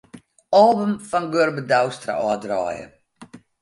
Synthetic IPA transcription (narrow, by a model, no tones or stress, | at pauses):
ɑːbəmfɔnɡørbədawstra̰ʔɑːdrɑ̰ːjə̰